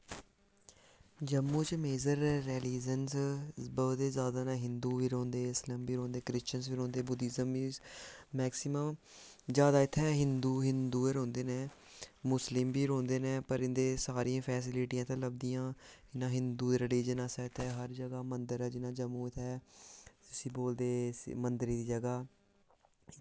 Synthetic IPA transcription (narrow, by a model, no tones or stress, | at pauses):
d͡ʒəmːũːt͡ʃmeːzəɾːɛːliːzənsbəd̪eːzjaːd̪aːnãːɦɪnd̪uːʋiːɾõːnd̪eːɪsləmbiːɾoːnd̪eːkɾɪst͡ʃənsʋiːɾõːnd̪eːbʊd̪ɪzəmbiːmɛːksɪməm | zjaːd̪aːɪt̪ʰːɛːɦɪnd̪uːɦɪnd̪uːeɾõːnd̪eːneː | mʊslɪmbiːɾõːnd̪eːneːpəɾɪnd̪eːsaːɾiãːpʰɛːs̬ɪlɪʈiːãːt̪ãːləb̚d̪ijãː | ɪnãːɦɪnd̪uːd̪eːɾɪliːd͡ʒənaːsɛːɪt̪ʰɛːɦəɾd͡ʒəɡaːmənd̪əɾɛːd͡ʒɪnãːd͡ʒəmuːɪt̪ʰɛː | ɪsiːboːld̪eːmənd̪əɾiːd̪iːd͡ʒəɡaː